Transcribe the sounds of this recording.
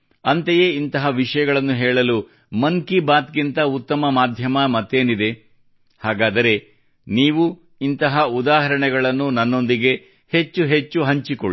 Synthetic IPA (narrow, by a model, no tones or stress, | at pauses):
ɐnt̪eje̞ːint̪ɐɦɐʋiʂɐjɐɡɐɭɐnːuɦɛːɭɐlu | mɐŋkibaːt̪̚kint̪ɐut̪ːɐmɐmaːd̪ʱjɐmɐmɐt̪ːe̞ːnid̪e̞ | haːɡaːd̪ɐɾe̞ | niːʋu | int̪ɐɦɐud̪aːɦɐɾɐɳɛɡɐɭɐnːunɐnːo̞nd̪iɡe̞ | he̞t͡ʃːuɦe̞t͡ʃːuɦɐɲt͡ʃikoɭi